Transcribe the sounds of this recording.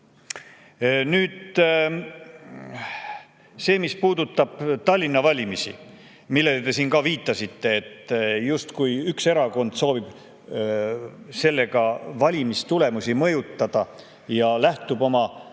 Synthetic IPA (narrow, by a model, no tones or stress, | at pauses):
nyːd̪̥ | se̞ːmispuːd̪̥ut̪ːˑɑb̥t̪ɑlʲːinːɑvɑlʲimisḭ | milːe̞let̪e̞siːnkɑviːt̪ːˑɑsit̪ːe̞ːt̪just̪kujykse̞ɾɑko̞nd̪̥so̞ːbib̥ | se̞lːe̞ɡɑvɑlʲimist̪ule̞musʲimɤjut̪ːɑd̪̥ɑ | jɑlæht̪ubo̞mɑ